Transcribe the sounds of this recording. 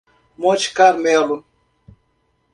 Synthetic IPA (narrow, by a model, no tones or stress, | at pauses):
mot͡ʃkaɾmɛlu